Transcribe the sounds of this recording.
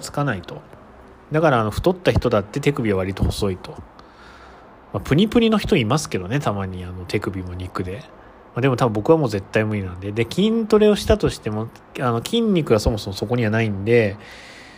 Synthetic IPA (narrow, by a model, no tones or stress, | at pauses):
t͡sɨ̥kanait̪o̞ | d̪akaɾaːno̞ɸɯ̟̥t̪o̞t̪ːaçi̥t̪o̞d̪at̪ːe̞t̪e̞kɯ̟bʲiβaβ̞aɾʲit̪o̞ho̞so̞it̪o̞̥ | mapɯ̟ɲ̟ipɯ̟ɾʲino̞çi̥t̪o̞imasɨ̥ke̞d̪o̞ne̞t̪amaɲ̟iano̞t̪e̞kɯ̟bʲimo̞ɲ̟ikɯ̟d̪e̞ | mad̪e̞mo̞t̪abɯmbo̞kɯβamo̞ːze̞t̪ːaimɯ̟ɾʲinãnd̪e̞d̪ekʲĩnt̪o̞ɾe̞o̞ɕi̥t̪at̪o̞ɕi̥t̪e̞mo̞ | ano̞kʲĩɲ̟ːikɯ̟βaso̞mo̞so̞mo̞so̞ko̞ɲ̟iβanaĩnd̪e̞